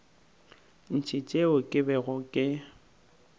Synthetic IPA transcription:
n̩t͡ʃʰɪt͡ʃʼeʊkʼɪbɛɣɔkʼɪ

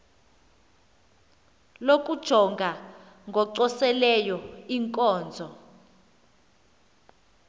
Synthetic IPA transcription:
lok̬ʼud̥ʒ̥ʱɔŋɡʱa | ŋɡʱɔǀɔsɛlɛjɔiŋkʼɔːnd͡zʱɔ

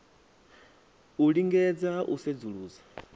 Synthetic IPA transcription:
uɺiŋɡɛd͡zaʔused͡zuɺuːd͡zḁ

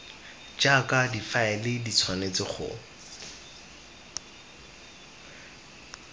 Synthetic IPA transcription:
d͡ʒakʼadifaɛlɪdit͡sʰwanet͡sɪχʊ̰

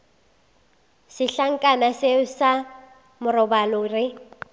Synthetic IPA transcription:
sɪɬaŋ̩kʼanasɪʊsa | mʊrɔbalʊrɪ

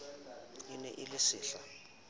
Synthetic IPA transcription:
inɛ̰ʔɪlɪsiːɬa

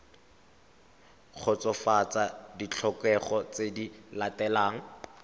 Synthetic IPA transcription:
χʰʊt͡sɔfat͡sadit͡ɬʰɔkɛχɔt͡sedilatɛlaːŋ̩

